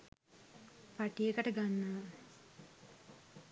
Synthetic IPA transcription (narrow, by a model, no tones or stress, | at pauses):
paʈijekəʈəɡanːa